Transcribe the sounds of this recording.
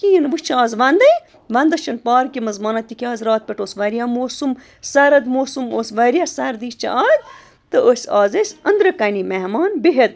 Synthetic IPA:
kijinʋɨst͡ʃʰaːzʋɐnd̪ɐj | ʋɐnd̪ɐst͡ʃʰɐnpɑːɾkimɐzmɑːnɐt̪ikʲaːzɾɑːt̪̚pʲeʈoːsʋɐɾijamoːsum | sɐɾɐd̪moːsumoːsʋɐɾijasɐɾd̪iːst͡ʃʰɐ̰aːd̪ | t̪ɨoːsʲaːzɐsʲɐnd̪ɾɐkɐnimeɦmɑːnbiɦed̪̚

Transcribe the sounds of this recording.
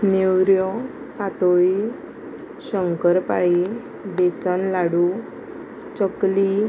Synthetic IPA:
newɾjɔ | pat̪ɔi | ɕəŋkəɾpaji | besənlaɽu | t͡ɕəkli

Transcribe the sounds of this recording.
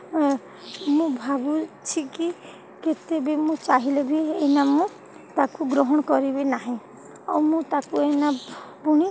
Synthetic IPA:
mũbʱabut͡ʃʰiki | ket̪ebemũt͡ʃaɦilebʱienamũ | t̪akuɡɾɔɦɔɽ̃kɔɾibenaɦĩ | ɔwmũt̪akuenapuɽ̃i

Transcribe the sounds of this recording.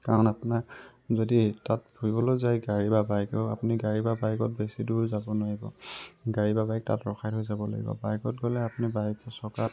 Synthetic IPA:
kaɹɔnapuna | zoditat̚bʱuibɔlozajɡaɹibabajkɔa̰puniɡaɹibabajkɔt̚besiduɹzabɔnʊaɹibɔ̰ɡaɹibabajk̚ta̰tɹɔxʰajthojzabɔla̰ɡḭbɔ̰bajkɔtɡɔlɛapunibajksɔka

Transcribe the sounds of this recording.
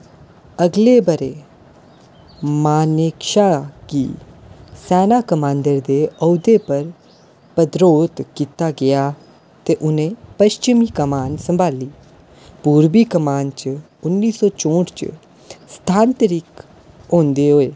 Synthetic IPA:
əɡleːbəɾeː | maːnekʃaːkḭːsɛːnaːkəmãːnd̪əɾd̪eːɔːd̪eːpəɾ | pəd̪ɾoːt̪kiːt̪aːɡɪjaː | t̪eːʔʊnẽːpəʃt͡ʃɪmiːkəmaːnsəmbʱaːliː | puːɾbiːkəmaːnt͡ʃə | ʊnːiːsɔːt͡ʃõːʈt͡ʃə̰ | st̪ʰaːnt̪əɾiːk | õːnd̪eːɦoːeː

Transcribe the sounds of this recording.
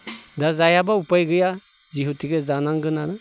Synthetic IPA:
dazajabaupajɡɯja | ziɦutiɡezanaŋɡɯnanɯ

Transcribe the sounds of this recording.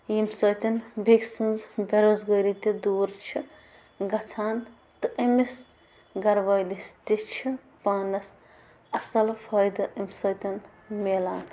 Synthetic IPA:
imsɐjt̪ɐnbʱiksinzbeɾoːzɡɐɾit̪id̪uːɾt͡ʃʰi | ɡɐt͡sʰaːn | t̪ɨʔemis | ɡɐɾʋɐjlist̪it͡ʃʰi | paːnɐs | ɐsɐlfʰɐjd̪ɨʔimsɐjt̪ʲɐn | melaːn

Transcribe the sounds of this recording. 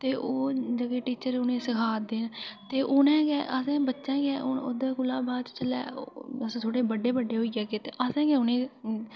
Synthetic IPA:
t̪eːʔoːd͡ʒəɡeːʈiːt͡ʃəɾʊnẽːsəkʰaːd̪eːnt̪eːʔʊnɛ̃ːɡɛːʔəsɛ̃ːbətːʃɛ̃ːɡɛːood̪ãːkʊlaːbaːt͡ʃt͡ʃəlɛ̰ːəsːt̪ʰoːɽeːbəɖeːbəɖeːɦoːiːɡɛːket̪eːʔəsɛ̃ːɡɛːʊnẽː

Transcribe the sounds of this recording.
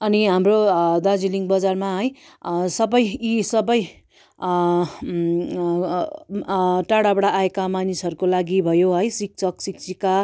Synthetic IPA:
ʌniɦamrod̪ad͡ziliŋbʌd͡zarmaɦʌj | sʌbʌjisʌbʌj | ʈaɽabʌɽaʔːekamanisɦʌɾukolaɡibʱʌjoɦʌjsik̚t͡sʌksikt͡sika

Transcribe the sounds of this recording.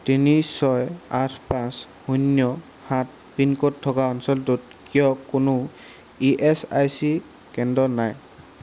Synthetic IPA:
tinisɔjatʰpãs | hunjɔ | hat̚ | pinkɔtʰːɔkaɔnsɔltut̚ | kijɔkʊnʊ | iʔɛsa̰jsi | kɛndɔnaj

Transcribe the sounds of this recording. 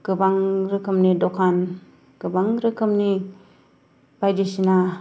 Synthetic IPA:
ɡɯbaŋɾɯkʰɯmnidɔkʰan | ɡ̥ɯbaŋɾɯkʰɯmni | b̥ajdisina

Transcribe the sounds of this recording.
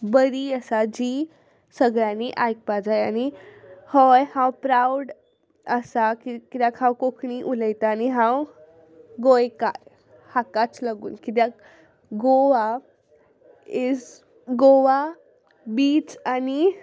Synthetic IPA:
bəɾiəsad͡ʒi | səɡɾaniʔaːjk̚pad͡ʒajanihɔjhãwpɾawɖ | əsakikid̪akʰhãwkokʰniʔuləjt̪aniɦãw | ɡojkaɾ | hakat͡ʃləɡunkid̪ak | ɡoʋa | ɪz | ɡoʋa | biːt͡ʃani

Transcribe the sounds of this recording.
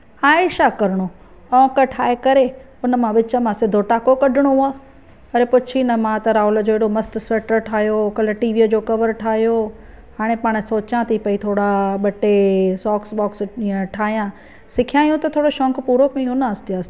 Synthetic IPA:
aːɪʃakɐɾɪɽ̃o | ɔ̃ːkəʈʰaːekɐɾe | ʊnəmãʋɪt͡ɕəmãːsed̪ʱoːʈaːkokɐɖʱɪɽ̃oɦʊaː | ɐɾepʊt͡ɕʰinɐmãt̪ɐɾaːʊlə̆d͡ʑoːeɽomɐst̪sɐʈəɾʈʰaːɦjokɐləʈiːʋiːəd͡ʑoːkɐʋəɾʈʰaːɦijoː | haːɽ̃ẽpaːɽ̃soːt͡ɕãt̪ʰipɐit̪ʰoːɽaɓɐʈesɔːksbɔːksiə̃ʈʰaːɦijã | sɪkʰijãːijũt̪ɐt̪ʰoːɽoʃɔ̃ːŋkpuːɾokẽĩɦʊnaːst̪eaːst̪e

